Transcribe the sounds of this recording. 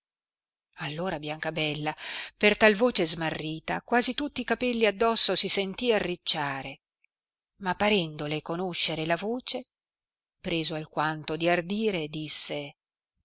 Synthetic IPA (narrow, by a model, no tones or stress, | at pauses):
alːoːɾabjaŋkabɛlːapert̪alvoːt͡ʃezmarːiːt̪a̰kwaːzit̪ut̪ːiːkapɛlːiad̪ːɔsːosisent̪iːarːit͡ʃːaːɾe | mapːaɾɛnd̪olekonoʃːeɾelavoːt͡ʃe | pɾeːzoalkwant̪od̪iard̪iːɾed̪isːe